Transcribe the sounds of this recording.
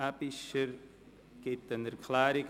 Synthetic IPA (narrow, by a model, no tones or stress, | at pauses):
apiʃəɾ | ket̪ːɐnd̪əɾkʰlaːɾik